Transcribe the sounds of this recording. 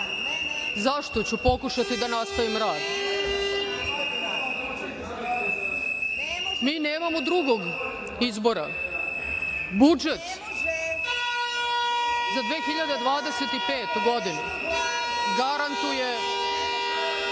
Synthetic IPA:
zaʃt̪ot͡ɕupo̞kuʃat̪id̪anast̪aʋimɾaːd̪ | miːneːmamod̪ɾuɡoɡ | izbo̞ɾa | bud͡ʒet̪ | zad̪ʋeːxiʎad̪ed̪ʋaːd̪eset̪ipeːt̪ɡo̞d̪ine | ɡaɾant̪uje

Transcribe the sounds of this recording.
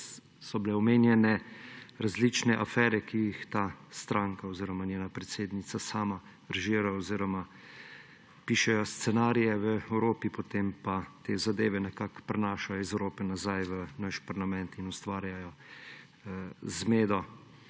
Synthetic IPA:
sɔbilɛɔmeːnjɛnɛɾazlit͡ʃnɛʔafɛːɾɛkijixt̪aːst̪ɾaːŋkaoziːɾɔmanʲjeːnapɾɛt̪seːd̪nit̪sasaːma | ɾʒiːɾaɔziːɾɔma | piːʃɛjɔst̪sɛnaːɾijɛʋəɛwɾoːpipɔt̪empat̪eːzad̪eːʋɛnɛkakpɾɛnaːʃajɔizɛwɾoːpɛnazajʋənaʃpaɾlamɛnt̪inust̪ʋaːɾjajɔ | zmeːd̪ɔ

